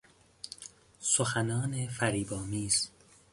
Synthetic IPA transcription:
soxænɒːnefæɾiːbɒːmiːz

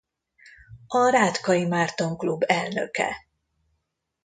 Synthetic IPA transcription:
ɒɾaːt̪kɒjimaːrt̪o̞ŋklubːɛlnø̰kɛ̰

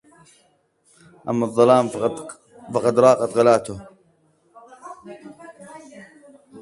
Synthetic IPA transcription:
ʔamːɑðˤːɑlaːm | fɑqɑd̪ɾˤɑːqɑt̪ɣalaːt̪ʊh

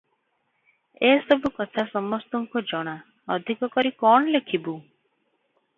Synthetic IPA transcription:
esɔbʱukɔt̪ʰasɔmɔst̪ɔŋkɔd͡ʒɔɽ̃a | ɔd̪ʱikɔkɔɾikɔɳ̃ɔlekʰibu

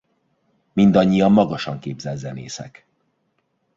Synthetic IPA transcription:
mind̪ɒɲːijɒmːɒɡɒʃɒŋkeːbzɛlzɛnḛːsɛ̰k

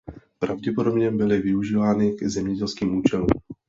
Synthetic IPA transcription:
pɾavɟɛpodobɲɛbɪlɪvɪuʒiːvaːnɪɡzɛmɲɛɟɛlskiːmuːt͡ʃɛlṵːm

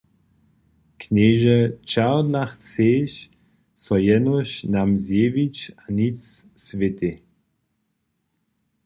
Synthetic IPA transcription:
kneːʒɛt͡ʃaʁd̪laxt͡seːʃ | sɔjɛnɔʃnamzjeːvit͡ʃanit͡ssvɪt̪i

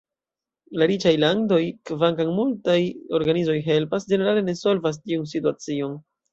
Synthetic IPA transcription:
laɾit͡ʃajlando̞jkvaŋkaŋmultajo̞ɾɡanizo̞jɦe̞lpasd͡ʒene̞ɾale̞ne̞so̞lvas̬tiuns̬ituat͡sio̞n

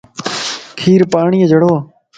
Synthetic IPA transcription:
kʰiːɾpaːɳiːəd͡ʒʱəɽoː

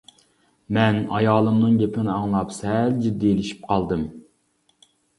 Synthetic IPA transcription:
mɛnɑjɑːlˠɨmnɨŋɡʲepʰɪnɪɑŋlˠɑpsɛld͡ʒid̪ːielɪʃi̥p̚qʰɑlˠd̪ɨm

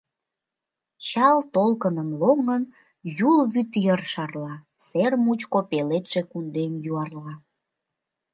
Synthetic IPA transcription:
t͡ɕɑlt̪olkənəmloŋən | julβyt̪jərʃɑrlɑ | sermut͡ɕkopelet̪ʒ̥ekund̪emjuɑrlɑ

